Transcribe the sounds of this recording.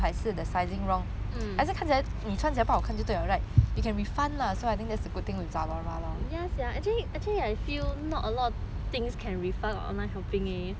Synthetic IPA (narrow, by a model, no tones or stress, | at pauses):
ɦaɪsɨd̪əsaɪzĩŋɹɔ̃ŋ̩ | aɪs̬ɛkʰãnt͡ɕʰilənit͡ʃʰwãnt͡ɕilapawɔkʰãt͡ɕot̪ojaɹaɪjukʰɛ̃nɹifãnlasoajt̪ɪ̃ŋd̪ɛtsəɡʊd̚t̪ɪ̃ŋwisalaɹalajɛsjaatiatʰɛliaɪfilnɔtəlɔt̚ | t̪ɪ̃ŋskʰɛ̃nɹifɛkɔ̰̃nahɛʊpɪ̃ŋe